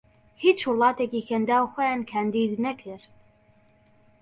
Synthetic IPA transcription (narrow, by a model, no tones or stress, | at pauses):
hiːt͡ʃwʊlˠɑːt̪ɛkiːxɛnd̪aːwxʷɛjaːnkʰaːnd̪iːd̪nɛkʰɨɾt̪